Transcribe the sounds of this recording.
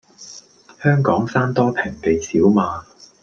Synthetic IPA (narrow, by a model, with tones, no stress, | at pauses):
hœː˥ŋkɔː˨˥ŋsaː˥nt̪ɔː˥pʰɪ˨˩ŋpe˨jsiː˨˥wmaː˨˧